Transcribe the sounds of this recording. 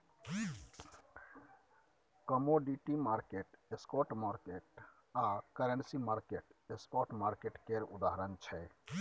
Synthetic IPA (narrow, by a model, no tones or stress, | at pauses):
kəmoɖiʈimaɾkeʈeskɔʈmaɾkeʈ | akəɾensimaɾkeʈeskɔʈmaɾkeʈkeɾud̪aɦəɾənt͡ʃʰɛ